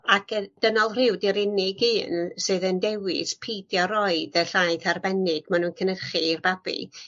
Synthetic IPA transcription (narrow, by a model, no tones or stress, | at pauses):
akʰəd̥ənɔlˠr̥ɪwdɪɾɪnɪɡɨːnsɨːðəndɛwɪ̰spʰijdjɔɾɔɨdəɬaɨθarbɛnɪd̥manunkʰənərχirbabḭ